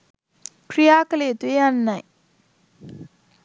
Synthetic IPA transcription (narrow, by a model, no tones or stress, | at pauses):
kʰɾijaːkəlet̪wejanːa